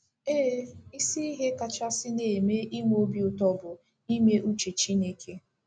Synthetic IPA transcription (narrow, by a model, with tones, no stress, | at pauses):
eː˦˨i˦si˦i˦ɦe˦ka˨t͡ʃa˦sɪ˦ne˨me˦ʔi˦m˦o˦bi˦ʊ˨tɔ˦bʊ˨ | i˦me˦ʔu˦t͡ʃe˨t͡ʃi˦ne˦kʰe˦